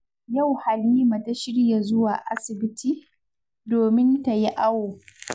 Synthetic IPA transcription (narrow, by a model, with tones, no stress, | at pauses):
ja˦˨wha˨lːiː˦ma˨ta˦ʃɪ˦ɽja˨zʊ˦wa̰ː˨ʔa˦sɪ˨bɪ˦tiː˦ | doː˨mɪ˦nta˨ji˦ʔa˦woː˨